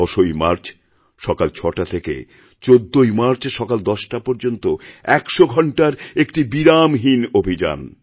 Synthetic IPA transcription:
ɔʃojmaɾt͡ɕ | ʃɔkalt͡ɕʰɔʈat̪ʰekḛ | t͡ɕod̪ːojmaɾt͡ɕʃɔkald̪ɔʃʈapɔɾd͡ʑont̪oɛkʃoɡʱɔɳʈaɾekʈibiɾamɦinobʱid͡ʑa̰n

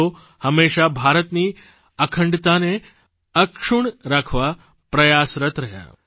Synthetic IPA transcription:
o | həmeʃabʱaɾət̪ni | əkʰəɳɖt̪ane | əkʂuɳɾakʰʋa | pɾəjasɾət̪ɾəɦja̰

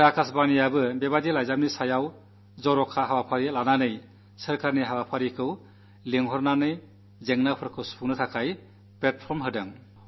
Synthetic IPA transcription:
akʰasbanijabɯbebadilajzam̚nisajaw | zɔɾɔkʰaɦawapʰaɾilananɯj | sɯɾkʰaɾniɦawapʰaɾikʰɯw | leŋɦɔɾnanɯj | zeŋnapʰɯɾkʰɯwspʰuŋnɯtʰakʰaj | plet̚pʰɔɾmɦɯdɯŋ

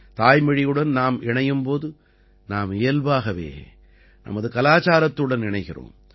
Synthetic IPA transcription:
t̪aːjmɐɻɪjɯɽɐnnaːmɪɳɐjɯmpoːðɯ | naːmejɐlʋaːɣɐʋḛː | nʔɐ̰mɐðɯkɐlaːt͡ʃaːɾɐt̪ːɯɽɐnɪɳɐɪɣɪro̰ːm

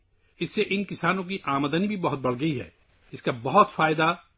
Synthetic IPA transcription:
ɪsːeʔɪnkɪsaːnõk̬iʔaːmd̪ənibʱibɐɦʊt̪̚bɐɽ̤ɡɐiɦɛ̰ː | ɪskabɐɦʊt̪faːjd̪a

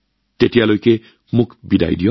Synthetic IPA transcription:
t̪et̪ijalojke | mukʰbid̪a̰jdijo

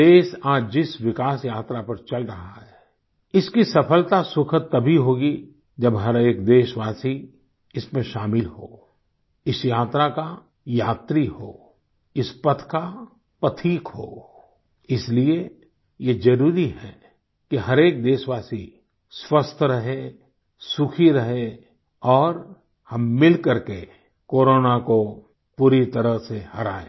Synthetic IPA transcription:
eːʃaːd͡ʒd͡ʒɪswɪkaːsjaːt̪ɾapɐɾt͡ʃɐlɾɐɦaɦɛː | ɪskisɐpʰəlt̪asʊkʰət̪ːɐbʱiɦoːɡi | d͡ʒɐbɦɐɾeːkd̪eːʃʋaːsi | ɪsmẽʃaːmɪlho̰ː | ɪsjaːt̪ɾaka | jaːt̪ɾiho̰ː | ɪspɐt̪ʰka | pət̪ʰiːkɦo̰ː | ɪslie | jed͡ʒɐɾuːɾiɦɛ | kiɦɐɾeːk̚d̪eːʃʋaːsi | swəst̪ʰɾɐɦe | sʊkʰiɾɐɦe | ɔːɾ | hɐmːɪlkəɾke | koːɾoːnako | puːɾit̪ɐɾəɦsehɐɾa̰ːḛː

